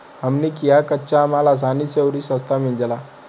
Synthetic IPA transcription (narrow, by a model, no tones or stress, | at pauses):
amniːkijakətːɕaːmalas̬anisewɾiːsəst̪amild͡ʑala